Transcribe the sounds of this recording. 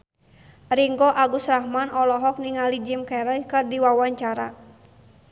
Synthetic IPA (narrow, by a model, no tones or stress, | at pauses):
riŋɡɔʔaɡusrahmanɔlɔɦɔk̚niŋalid͡ʒimkɛɾɛlkɨrdiwawaɲt͡ʃaɾa̰